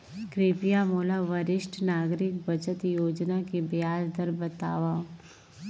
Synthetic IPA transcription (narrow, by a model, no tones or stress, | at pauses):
kɾeːpijamoːlaʋɐɾɪʃʈʰnaːɡɾɪk̚bɐt͡ʃət̪joːd͡ʒnakebjaːd͡ʒd̪əɾbət̪a̰ːʋãː